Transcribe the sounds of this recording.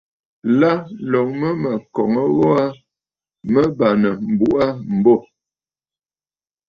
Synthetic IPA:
la˦lɔ˨ŋmə˦mə˨kɔ˨ŋə˦ɣɔ˦a˦ | mə˦ba˨nə˨m̩˨bu˦ʔa˦m̩˨bɔ˦˨

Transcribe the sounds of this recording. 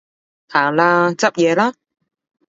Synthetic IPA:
haː˨˩ŋlaː˧t͡sɐ˥p̚jɛː˨˧laː˦˥

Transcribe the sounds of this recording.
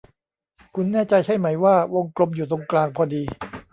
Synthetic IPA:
kʰu˧nːɛː˥˩t͡ɕa˧jt͡ɕʰa˥˩jma˩˦jwaː˥˩wo˧ŋklo˧mjuː˨˩t̪̬o˧ŋklaː˧ŋpʰɔː˧diː˧

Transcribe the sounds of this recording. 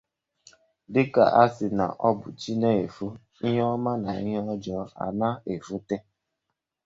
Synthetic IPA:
dɪ˦ka̰˨ʔa˦sɪ˨na̰˨ʔɔ˦bʊ˨t͡ʃi˦ne˦e˨fu˦ | i˦ɦɔ˦ma˦na˨i˦ɦe˦ɔ˦d͡ʒɔ˦a̰˨na˦e˨fu˦te˦

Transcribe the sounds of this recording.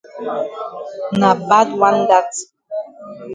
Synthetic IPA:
na˨ba˦twa˦n˦ɡa˦t

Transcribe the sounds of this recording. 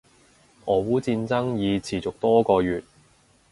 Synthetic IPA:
ʔɔː˨wuː˨˥t͡siː˧nt͡sɐ˥ŋjiː˨˧t͡sʰiː˨˩t͡sʊ˨k̚t̪ɔː˥kɔː˧jyː˨t̚

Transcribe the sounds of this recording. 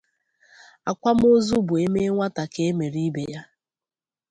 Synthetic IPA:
a˨kʷa˦m̩˦o˦zu˦bʊ˨e˦me˦ŋʷa˦ta˨ke˦e˦me˨ɾi˦be˨ja˦

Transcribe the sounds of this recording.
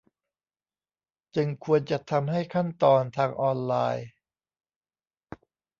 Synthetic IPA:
t͡ɕɯ˧ŋkʰu˧ənt͡ɕa˨˩t̪ʰa˧mɦa˥˩jkʰa˥˩nt̪ɔː˧nt̪ʰaː˧ŋʔɔː˧nlaː˧j

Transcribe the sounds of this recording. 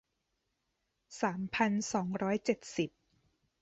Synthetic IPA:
saː˩˦mpʰa˧nsɔː˩˦ŋɾɔː˦˥jt͡ɕe˨˩t̪̚si˨˩p̚

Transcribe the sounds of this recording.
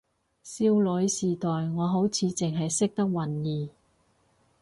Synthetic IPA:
siː˥wlɵ˨˥jsiː˨˩t̪ɔː˨jŋɔː˨˧ɦo˨˥wt͡sʰiː˨˧t͡sɪ˨ŋɦɐ˨jsɪ˥k̚t̪ɐ˥k̚wɐ˨˩njiː˨˩

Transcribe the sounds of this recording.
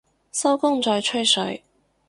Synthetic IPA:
sɐ˥wkʊ˥ŋt͡ʃɔː˨˧jt͡ʃʰɵ˥jsɵ˨˥ɥ

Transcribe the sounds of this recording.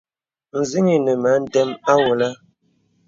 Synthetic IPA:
n̩˨zi˦ŋi˨nə˨ma˨˦n̩˦dɛ˦ma˦wo˨la˦

